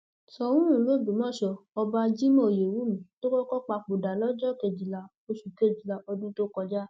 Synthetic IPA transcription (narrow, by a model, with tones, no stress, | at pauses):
sɔ˧wũ˦ũ˨˦lo˦˨dũ˨mɔ̃˦˨ʃɔ˧ɔ˧ba˧d͡ʒi˦mɔ̃˦˨je˨wu˨˦mĩ˨˦to˦kɔ˦kɔ˦k͡pa˧k͡po˨da˨lɔ˦d͡ʒɔ˦˨ke˨d͡ʒi˨la˨˧ | o˧ʃu˨ke˦˨d͡ʒi˨la˨ɔ˧dĩ˦to˦kɔ˧d͡ʒa˦